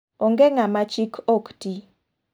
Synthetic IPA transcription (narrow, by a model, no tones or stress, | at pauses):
ɔŋɡeŋamat͡ʃikʰɔkti